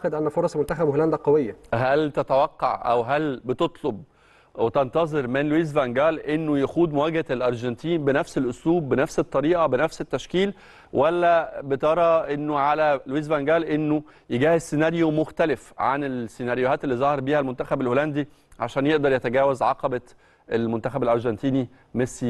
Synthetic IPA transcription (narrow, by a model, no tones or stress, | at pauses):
xed̪ʔænːæfoɾˤɑsmont̪æxæbholænd̪æqɑwejːæɦælt̪æt̪æwɑqːɑ̰ʕʔæ̰wɦælbet̪ot̪ˤlob̚ | wet̪ɑnt̪ɑzˤeɾmenlwiːzvæŋɡæːlʔenːojæxuːd̪mowæɡhælʔɑɾˤʒɑnt̪iːnbenæfselʔosluːbːenæfset̪ˤːɑɾiːʔɑbenæfset̪ːæʃkiːl | wʔælːæbet̪ɑɾˤɑʔenːoʕalælwiːzvæŋɡæːlʔenːo | jeɡæːhezsːenæɾjomoxt̪ælefʕa̰nelsːenæɾjohæːt̪elːizˤɑhɑɾˤbiːhælmont̪æxæbelʔoːlænd̪i | ʕaʃæːnjeʔd̪ɑɾˤjæt̪æɡæːwæzʕɑqɑbæ | ʔelmont̪æxæbelʔɑɾˤʒɑnt̪iːni | mesi